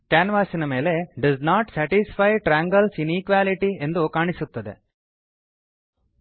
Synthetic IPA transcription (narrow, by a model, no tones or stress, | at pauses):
ʈjaːnʋaːsinɐme̞ːle̞ɖɐznaːʈsaːʈispajʈɾaːŋɡɐlsinikʋaːliʈie̞nd̪ukaːɳisut̪ːɐd̪e̞̰